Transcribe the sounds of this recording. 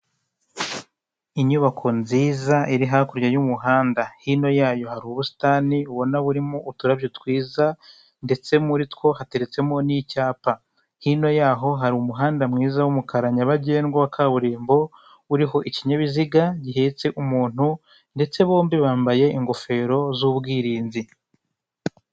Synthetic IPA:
iɲuβakʰo̞nziːzaʔiɾiɦakuɾɟajumuɦaːndahino̞jaːjo̞haɾuβusi̥taniuβo̞naβuɾimo̞ʔutuɾaβjotwiːza | nde̞t͡se̞muɾitwo̞hate̞ɾet͡se̞mo̞nicaːpa | hino̞jaːɦo̞ɦaɾiumuɦaːndamŋiːzawumukaɾaɲaβaɟeːnɡowakʰaβuɾiːmbo̞ | uɾiɦo̞ʔiciɲaβiziɡaɟiɦe̞ːt͡se̞ʔumuːn̥hu | nde̞t͡se̞βo̞ːmbiβaːmbaje̞iŋɡo̞fe̞ːɾo̞zuβɡiːɾiːnzi

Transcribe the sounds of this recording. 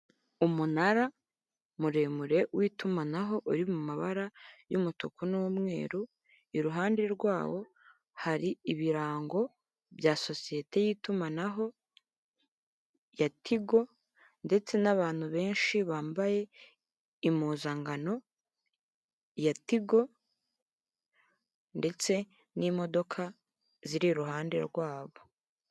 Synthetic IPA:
umunaɾa | muɾe̞ːmuɾe̞wʔiːtumanaɦo̞ʔuɾimumaβaɾajumutukunumŋe̞̰ːɾu | iɾuɦaːnde̞ɾɡwaːwo̞ | haɾiiβiɾaːŋɡo̞ | bjaso̞sije̞te̞jiːtumanaɦo̞ | jatʰiɡo̞ | nde̞t͡se̞naβaːn̥huβe̞ːnʃiβaːmbaje̞ | imuːzaŋɡano̞ | jatiɡo̞ | nde̞t͡se̞ | nimo̞do̞kʰa | ziɾiɾuɦaːnde̞̰ɾɡwaːβo̞

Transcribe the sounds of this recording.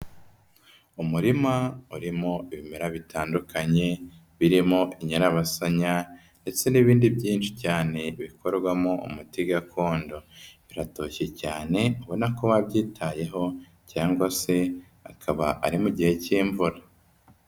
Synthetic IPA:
umuɾimauɾimoiβimeɾaβitaːndukʰaɲe̞ | βiɾimo̞ʔiɲaɾaβasaɲa | nde̞t͡se̞niβiːndibɟiːnt͡ʃi̥caːne̞βikʰo̞ɾɡwamoṵmutiɡakʰoːndoβiɾatoçecaːne̞uβo̞nakoβaβɟiːtʰaje̞ɦo̞ | caːŋɡwase̞ | akʰaβaʔaɾimuɟihe̞ciːɱvuɾa

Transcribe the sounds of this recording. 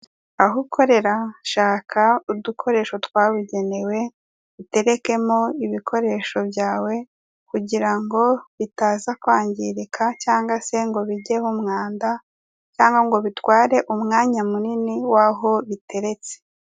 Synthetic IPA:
aɦukʰo̞ɾe̞ɾaʃaːkʰaudukʰo̞ɾe̞ːʃo̞twaːβuɟe̞ne̞we̞ | βite̞ɾe̞ke̞moiβikʰo̞ɾe̞ʃo̞bjaːwe̞ | kuɟiɾaŋɡo̞βitaːzakwaːɲɟiɾekʰacaːŋɡase̞ŋɡo̞βiɟeɦumŋaːnda | caːŋɡaŋɡo̞βitwaːɾe̞ʔumŋaːɲamuniniwaɦo̞βitʰe̞ɾe̞t͡se̥

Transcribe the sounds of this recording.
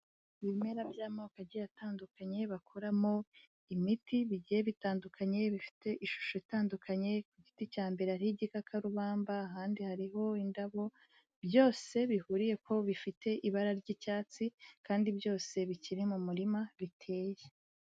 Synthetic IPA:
βimeɾabjaːmoːkaɟijataːndukaɲe̞βakʰoɾamo̞ | imitiβiɟije̞βitaːndukʰaɲe̞βifi̥te̞ʔiʃu̥ʃo̞itaːndukʰaɲe̞kuɟiticaːmbe̞ɾaɾiɟikakʰaɾuβaːmbaːɦaːndihaɾiɦo̞indaβo̞ | bjo̞ːse̞βihuːɾije̞kʰo̞βifite̞ʔiβaɾaɾɟicaːt͡sikaːndibjo̞ːse̞βiciɾimumuɾimaβitʰe̞ːje

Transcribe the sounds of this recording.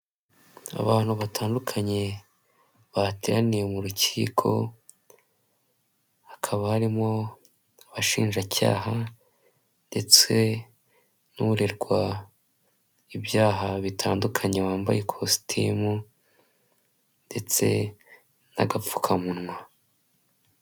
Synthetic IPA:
a̰βaːn̥huβataːndukʰaɲe̞ | βateɾanijemuɾuciiːkʰo̞̰ | akʰaβahaɾimo̞ | aβaʃḭːnʒaca̰ːɦa | nde̞t͡se̞ | nuuɾeɾɡwa | ibjaːɦaβitʰaːndukʰaɲe̞waːmba̰je̞kʰosi̥tʰimu | nde̞t͡se̞̰ | na̰ɡap͡fu̥kʰamunŋwa

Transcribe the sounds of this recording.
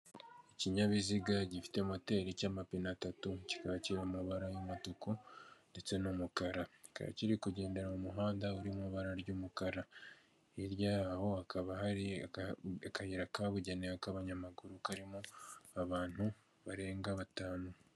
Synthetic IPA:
iciɲaβiziɡaɟifi̥te̞mote̞ɾicaːmapinatatuci̥kaβaciɾamuβaɾajomatukonde̞t͡se̞numukaɾai̥ka̰βa̰ciɾikuɟe̞ːnde̞ɾaumuɦaːndauɾimuβaɾaɾɟuːmukaɾa | iɾjaho̞akaβahaɾi | akahiɾakaβuɟenewakaβaɲamaɡuɾukaɾimoaβaːn̥hu | βaɾe̞ːŋɡaβataːnu

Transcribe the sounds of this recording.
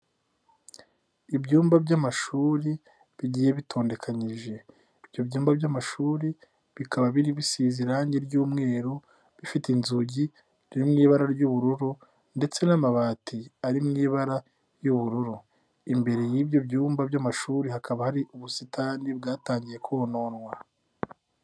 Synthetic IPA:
ibɟuːmbabɟamaʃuːɾi | βiɟiːje̞βitʰo̞ːnde̞kʰaɲiʒe̞ | ibjo̞bɟuːmbabjamaʃuːɾi | βikʰaβaβiɾiβisiːziɾaːɲɟeɾɟuːmŋe̞ːɾo | βifitinzuɟi | iɾimŋiːβaɾaɾjuβuɾuɾu | nde̞t͡se̞namaβaːtiaɾimŋiːβaɾa | juβuɾuɾu | imbe̞ɾe̞jiːbjo̞bɟuːmbabɟamaʃuːɾihakaβahaɾiʔuβusitʰanib̚ɡaːtaːɲɟije̞kʰono̞ːnwa

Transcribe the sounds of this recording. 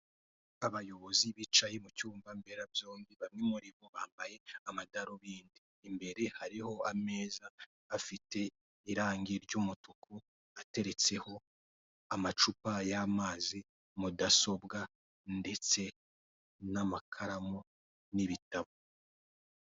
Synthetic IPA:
aβajo̞βo̞ziβit͡ʃajemucuːɱvambe̞ɾabjo̞ːŋbiβamŋemuɾimoβaːmbaje̞amadaɾoβiːndiːmbe̞ɾe̞haɾiho̞ame̞ːzaː | fite̞ | iɾaːŋɡiɾɟumutuku | ate̞ɾe̞t͡se̞ho̞ | amat͡ʃupajamaːzi | mudaso̞bɡa | nde̞t͡se̞ | namakʰaɾamo | niβitaβo

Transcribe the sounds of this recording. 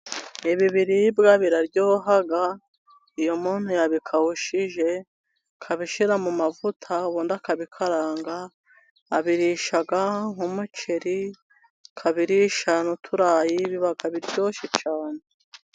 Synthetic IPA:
iβiβiɾibɡaβiɾaɾɟoːɦaɡa | ijomuːn̥hujaβikʰahuʃiʒe̞ | kʰaβiʃiɾamumavutʰaβuːndakaβikʰaɾaːŋɡaː | βiɾiʃaɡaŋumut͡ʃeɾi | kʰaβiɾiʃanutʰuɾaːjiβiβaɡaβiɾɟo̞ːʃit͡ʃaːne

